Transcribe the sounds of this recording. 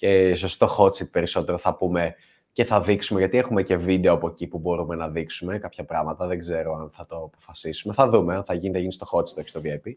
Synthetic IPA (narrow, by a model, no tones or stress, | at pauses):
cesosi̥t̪o̞xo̞t̪t͡sit̪̚pe̞ɾiso̞t̪e̞ɾoθɐpume̞ | ce̞θɐðiksume̞ʝɐt̪iexume̞ce̞vid̪e̞oɐpoecipubo̞ɾume̞nɐðiksume̞kɐpçɐpɾɐɣmɐt̪ɐðe̞ɡze̞ɾo̞ɐnθɐt̪o̞ːpofɐsisume̞θɐðumeɐnθɐʝinθɐʝinist̪o̞xo̞t̪si̥t̪o̞çi̥st̪oviepi